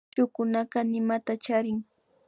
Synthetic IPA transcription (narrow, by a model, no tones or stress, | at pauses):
t͡ʃʊkʊnaɢɑnɪmat̪at͡ʃaɾɪŋ